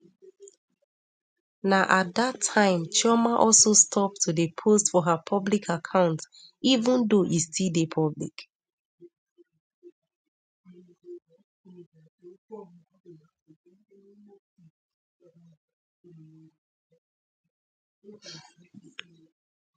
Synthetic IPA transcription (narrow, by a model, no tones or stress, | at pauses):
naʔatdatʰãɪ̃mt͡ʃɔmaʔɔlˠsostʰɔp̚tʰudəpʰostfɔɦapʰɔblikʰakʰãʊ̃nt | ivə̃ndoʔistidepʰɔblḭk